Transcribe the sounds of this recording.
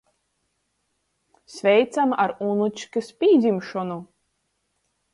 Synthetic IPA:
sʲvʲɛjt̪samaɾunut͡ʃkɨspʲiːd̪zʲimʃɔnu

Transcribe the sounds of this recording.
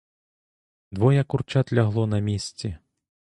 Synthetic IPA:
d̪vɔjɛkurt͡ʃat̪lʲaɣlˠɔnɐmʲisʲt͡sʲɛ

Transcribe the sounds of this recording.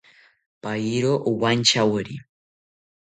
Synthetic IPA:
pajiɾoʔuwant͡ʃawəɾḭ

